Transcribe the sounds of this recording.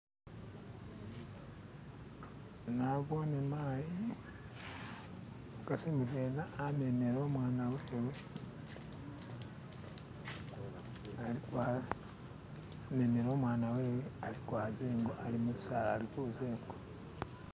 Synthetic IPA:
naβonemaːji | ukasimuβeːnaːme̞meɾoːmwaːnaweːwe | alikwa | me̞meɾo̞ːmwaːnaweːwealikwaːzeːŋɡoʔalimuβusalalikuzeːŋɡo

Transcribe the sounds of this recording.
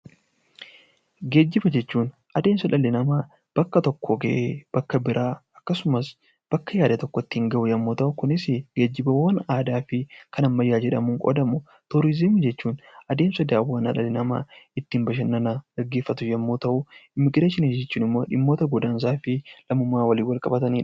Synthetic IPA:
ɡe̞ːd͡ʒːɪbɐd͡ʒɛt͡ʃːuːn | ʔɐd̪eːnsɐᶑɐlːɪnɐmaː | b̥ɐkːɐt̪ɔkːoɡɐ̰ʔeːb̥ɐkːɐbɪɾʔaːɐkːɐsʊmɐs | b̥ɐkːɐjaːd̪ɐt̪ɔkːɔt̪ːɪɪŋɡɐʔʊjɐmːoːt̪ɐʔʊkʊnɪsɪɡ̥e̞ːd͡ʒːɪbɐwɐnaːd̪aːfɪkɐnɐmːɐjːaːd͡ʒɛᶑɐmʊŋkʼɔ̰d̪ɐmʊ | t̪ʊɾɪzɪmd͡ʒɛt͡ʃːuːnɐd̪eːnsɐd̪aːwɐnɐ̰ᶑɐlːɪnɐma̰ːɪt̪ːɪmbɐʃ̬ɐnːɐnaɡ̥ɐɡːe̞ːfːɐt̪ʊjɐmːoːt̪ɐʔʊɪmːɪɡɾeːʃɪnid͡ʒɛt͡ʃːuːnɪmːo̞ːᶑɪmːo̞ːt̪ɐɡʊd̪aːns̬aːfɪlɐmʊmːaːwɐliːnwɐlkʼɐbɐt̪ɐniːᶑɐ

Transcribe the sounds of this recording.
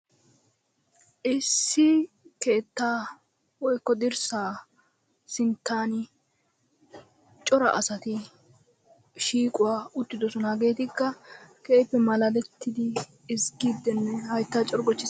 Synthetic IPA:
ʔɪsːɪ | ke̞ːt̪ːaː | wɔjkːɔd̪ɪɾsaː | sɪnt̪ːaːn | t͡ʃʼɔɾɐ̰ʔɐsɐt̪ɪ | ʃiːkʼʊwaːʊt̪ːɪd̪ɔsɔnaːɡe̞ːt̪ɪkːɐkeːpːɛmɐlɐlɛt̪ʰːɪd̪ɪː | sɡiːd̪ːɛnːɛhɐjt̪ːaːt͡ʃʼɔɾɡɔt͡ʃːɪs

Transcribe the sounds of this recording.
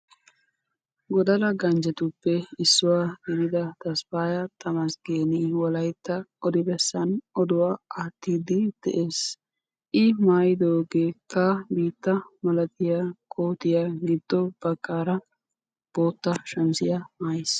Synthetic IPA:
ɡɔd̪ɐlɐɡɐnd͡ʒɛt̪ʊpːɛɪsːʊwaːɡɛɾɪd̪ɐt̪ɐspaːjɐt̪ɐmɐsɡeːnɪwɔlɐjt̪ːɐɔd̪ɪbɛsːɐnɔd̪ʊwaːaːt̪ːiːd̪ɪd̪̥ɛ̰ʔeːs | ʔɪmaːjɪd̪oːɡeːkːɐbiːt̪ːɐmɐlɐt̪ɪjakʰoːt̪ɪjaɡɪd̪̥ːɔb̥ɐkʼːaːɾɐ | b̥o̞ːt̪ːɐʃɐnsɪjɐmaːjes

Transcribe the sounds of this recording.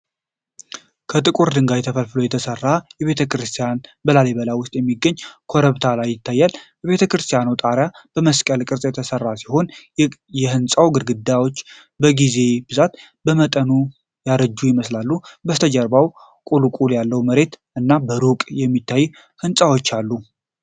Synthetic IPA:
kʰət̪ʼɨkʼuɾd̪ɨŋɡajɛt̪ʰəfəlfɨlojɛt̪ʰəsərːajɛβe̞t̪ʰəkɾɨst̪ʰijanbəlaleβəlawʊst̪ʼjɛmːiɡːəɲːkʰoɾəβt̪ʰalajːɪt̪ʰːajːalbəβe̞t̪ʰəkɾɨst̪ʰijanowt̪ʼaɾjab̥əməskʼəlkʼɨɾsʼjɛt̪ʰəsərːasiho̞n | jɛhɨnsʼawɡɨɾɡɨd̪ːawo̞t͡ʃː | bəɡize̞bɨzat̪ | bəmət̪ʼənu | jaɾəd͡ʒːujɪməslalːubəst̪ʰəd͡ʒəɾbaw | kʼulukʼuljalːəwməɾe̞t̪ʔɨnːabəɾukʼjɛmːit̪ʰːajːu | hɨnsʼawo̞t͡ʃːalːu

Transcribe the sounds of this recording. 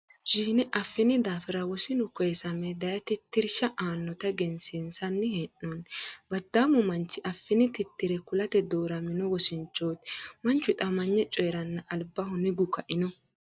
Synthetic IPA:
ʒiːnɛʔɐfːɪnɪd̪aːfɪɾɐwɔsɪnʊkɔjɛsɐmɛd̪ɐjɐt̪ɪt̪ːɪɾʃɐʔaːnːɔt̪ɐɡɛnsɪnsɐnːɪheːnːɔnbɐd̪ːaːmɔmɐnt͡ʃːɪʔɐfːɪnɪt̪ɪt̪ːɪɾɛkʊlɐt̪ɛd̪oːɾɐmɪnɔwɔsɪnt͡ʃːoːt̪mɐnt͡ʃːʊt̪ʼɐmɐɲːɛt͡ʃʼɔjɛɾɐnːɐʔɐlbːɐhʊnɪɡʊkɐʔɪnɔ

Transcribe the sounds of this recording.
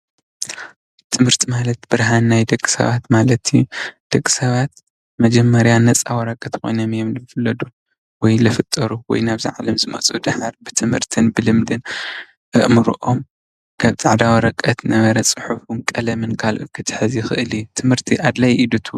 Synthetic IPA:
t̪ʰɨmhɨɾt̪ʰimalɐt̪b̥ɨɾɦanːajd̪ɐɡʼːɨ̥sɐ̰βat̪malɐt̪ʰijud̪̥ɐɡʼːɨ̥sɐβat̪̚ | mɐd͡ʒɛmːɐɾjanːɐt͡sʼawɐɾɐkʼɐt̪kʰo̞̰jnomjomlɨfɨlːɐd̪u | wɔjlɐfɨt̪ʼːɐɾuwɔ̰jnaβzḭʕalɐmzɨmɐ̰t͡sʼud̪aħaɾbɨt̪ʰɨmhɨ̰ɾt̪ʰɨnbɨlɨmd̪ɨn | ʔɨʔmɨɾuʔom | kʰaβzʼaʕd̪awɐɾɐkʼɐt̪nɐβɐɾɐt͡sʼɨ̥ħufunkʼɐlɐmɨnkʰalʔɨ̰kʰɨt̪ʰħɨzixɨʔɨliut̪ʰɨmhɨɾt̪ʰiʔad̪lajʔid̪ut̪ʰu

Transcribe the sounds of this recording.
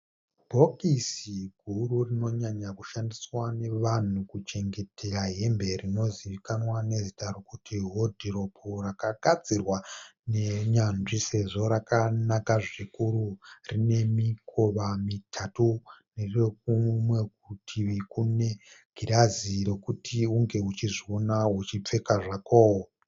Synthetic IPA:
bʱo̞kisiɡʱururino̞ɲaɲakuʃandiswane̞ʋan̤ukut͡ʃe̞ŋɡe̞tʰeɾaɦe̞mbe̞rino̞ziʋikanwane̞zitaɾokutʰiɦodʱiɾo̞pʰurakaɡʱad͡zirwaneɲanʐise̞ʐo̞ɾakanakaʐikuɾurine̞mikʰo̞ʋamitʰatunerrek̚umwe̞k̚utʰiʋekune̞ɡʱiɾaziɾe̞kutʰiuŋɡe̞ut͡ʃiʐio̞naɦut͡ʃip͡fe̞kaʐakoːwo

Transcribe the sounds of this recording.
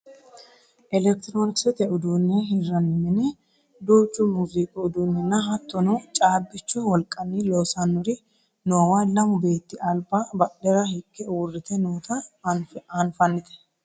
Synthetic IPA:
ʔɛlɛk̚t̪ɪɾoːnɪksɛt̪ɛʔʊd̪uːnːɛhɪrːɐnːɪmɪnɛ | d̪uːt͡ʃʼːʊmuziːkʼɔʊd̪uːnːɛnːɐɦɐt̪ːɔnɔt͡ʃʼaːbːɪt͡ʃːʊwɔlkʼːɐniːlɔsɐnːʊɾɪ | noːwalɐmʊbe̞ːt̪ːɪʔɐlbaːbɐɗɛɾɐhɪkːɛwʊrːɪt̪ɛnuːt̪ɐnfɐnfɐnːɪt̪ɛ̥

